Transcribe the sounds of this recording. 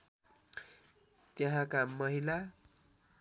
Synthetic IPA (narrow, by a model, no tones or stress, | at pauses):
t̪jʌɦãkamʌɦila